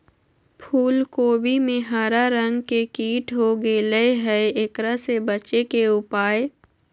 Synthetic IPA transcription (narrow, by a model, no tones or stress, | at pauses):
pʰuːlkoːbimẽɦaːɾaɾə̃ŋɡkekiːʈʰɦoɡeːleeɦɛekɾasebɐt͡ʃekeʊpaːe